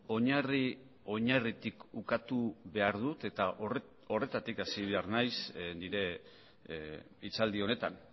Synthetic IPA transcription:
o̞ɲari | o̞ɲarit̪ikukat̪uβe̞aɾðut̪e̞t̪aʔ | o̞re̞t̪at̪ikasiβe̞aɾnajsniɾe̞ | it͡sald̪io̞ne̞t̪a̰n

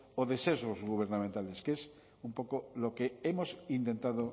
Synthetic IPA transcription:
oðesesozɣuβ̞eɾnamẽnt̪aleskes | umpokolokeemosint̪ent̪að̞o

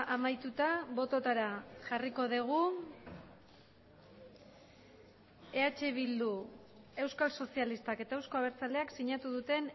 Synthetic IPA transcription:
ʔamajt̪ut̪aβo̞t̪o̞t̪aɾaʝariko̞ð̞eɣ̞u | e̞at͡ʃe̞β̞ild̪u | e̞wskalso̞sialist̪ake̞t̪aewsko̞aβe̞ɾt͡sald̪e̞aksiɲat̪uðut̪e̞n

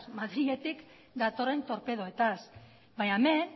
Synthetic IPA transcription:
smaðɾie̞t̪ik | d̪at̪o̞re̞nt̪o̞ɾpe̞ðoe̞t̪as | bajamen

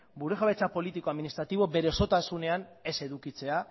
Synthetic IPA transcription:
buɾeɣaβet͡sapo̞lit̪ikoaðminist̪ɾat̪iβ̞o̞be̞ɾe̞o̞so̞t̪asune̞ane̞se̞ðukit͡se̞a

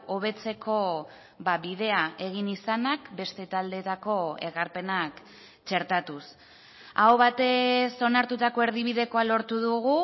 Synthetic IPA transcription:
o̞β̞e̞t͡se̞kʰo̞ | baβiðe̞ae̞ɣ̞inisanakbe̞st̪e̞t̪ald̪e̞t̪ako̞e̞ɣaɾpe̞nak | t͡ʃe̞ɾt̪at̪us | awβat̪e̞so̞naɾt̪ut̪ako̞e̞ɾðiβ̞iðe̞ko̞alo̞ɾt̪uðuɣu

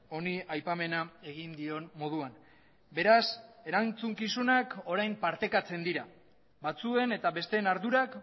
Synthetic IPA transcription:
o̞niajpame̞nae̞ɣ̞ind̪io̞nmo̞ð̞uan | be̞ɾase̞ɾant͡suŋkisunako̞ɾajmpaɾt̪e̞kat͡se̞nd̪iɾa | bat͡sue̞ne̞t̪aβe̞st̪e̞naɾðuɾak

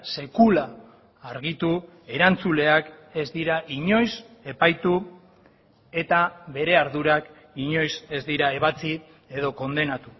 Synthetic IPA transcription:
se̞kulaː | ɾɣit̪u | e̞ɾant͡sule̞ake̞zd̪iɾaʔiɲo̞jse̞pajt̪u | e̞t̪aβe̞ɾe̞aɾðuɾak | iɲo̞jse̞zd̪iɾae̞β̞at͡si | e̞ð̞o̞ko̞nd̪e̞nat̪u̥

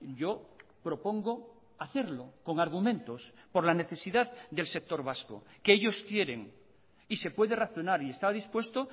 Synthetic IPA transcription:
ɟ͡ʝo̞pɾo̞po̞ŋɡo̞ | aθe̞ɾloko̞ŋaɾɣ̞umẽ̞nt̪o̞spo̞ɾlane̞θe̞siðaððd̪e̞lse̞k̚t̪o̞ɾβasko̰keeʎo̞skje̞ɾe̞ŋ | ise̞pwe̞ðe̞raθjonaɾie̞st̪aβaðispwe̞st̪o

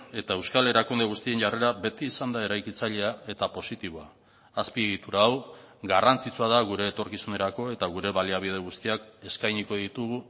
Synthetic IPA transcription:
e̞t̪ae̞wskale̞ɾakund̪e̞ɣ̞ust̪ie̞nʝare̞ɾaβe̞t̪iːsand̪ae̞ɾajkit͡saʎe̞ae̞t̪apo̞sit̪iβoaː | spieɣit̪uɾaːwɡarant͡sit͡suað̞aɣuɾe̞ːt̪o̞ɾkisune̞ɾako̞e̞t̪aɣ̞uɾe̞βaliaβ̞ið̞e̞ɣ̞ust̪iake̞skajɲiko̞ðit̪uɣu

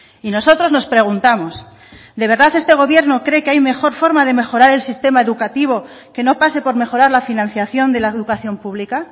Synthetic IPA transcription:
ino̞so̞t̪ɾo̞zno̞spɾe̞ɣ̞unt̪amo̞s | d̪e̞β̞e̞ɾðaθest̪eɣ̞o̞βje̞ɾno̞kɾe̞keajme̞xo̞ɾfo̞ɾmaðe̞me̞xo̞ɾaɾe̞lsist̪e̞mae̞ðukat̪iβ̞o̞ | ke̞nopase̞po̞ɾme̞xo̞ɾaɾlafinãnθjaθjo̞nd̪e̞laeðukaθjo̞mpuβlika

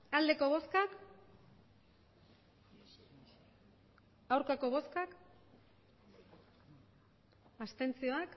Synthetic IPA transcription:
ald̪e̞ko̞β̞o̞skak | awɾkako̞βo̞skak | ast̪e̞nt͡sio̞ak

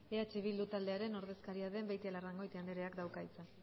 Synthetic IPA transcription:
eat͡ʃeβild̪ut̪ald̪e̞aɾe̞no̞ɾðe̞skaɾiaðe̞mbajt̪ialaraŋɡo̞jt̪iand̪eɾeakd̪awkajt͡sa

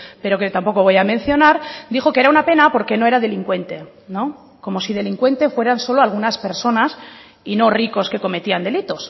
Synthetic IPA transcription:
pe̞ɾo̞ket̪ampo̞ko̞β̞o̞jamẽ̞n̟θjo̞naɾd̪ixo̞keeɾaunape̞napo̞ɾke̞no̞e̞ɾaðe̞liŋkwe̞nt̪e̞ | no̞ | ko̞mo̞siðe̞liŋkwe̞nt̪e̞fwe̞ɾanso̞loalɣ̞unaspe̞ɾso̞nas | ino̞riko̞ske̞ko̞me̞t̪iand̪e̞lit̪o̞s

